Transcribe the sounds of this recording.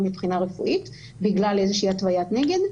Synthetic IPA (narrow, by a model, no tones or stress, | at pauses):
mipχinaʁefṵʔit | biɡlalezeʃiiːatvajatneɡe̞d